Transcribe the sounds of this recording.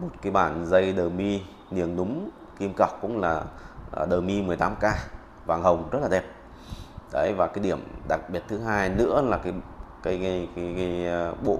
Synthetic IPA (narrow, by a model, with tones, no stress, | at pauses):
mo˨˩t̚kaː˨˦jɓaː˧˩nzə˧jɗəː˨˩mi˧ | ni˧˩əŋɗʊ˨˦ŋ͡m | ki˧mka˨˩wk͡p̚kːʊ̰˧˥ŋ͡mlaː˨˩˨ɗəː˨˩mi˧mɨ˨˩əjt̪aː˨˦mkaː˧ | vaː˨˩ŋhə˨˩wŋ͡mzə˦˥t̚la˨˩ɛ˧˩p̚ | ɗə˨˦jvaː˨˩kaː˨˦jɗi˧˩əmɗa˨˩k̚ɓi˨˩ət̚t̪ʰɨ˨˦ɦaː˧jnɨ̰˧˥əlaː˨˩kaː˨˦jka˨˦jjka˨˦ka˨˦jɓo̰˧˨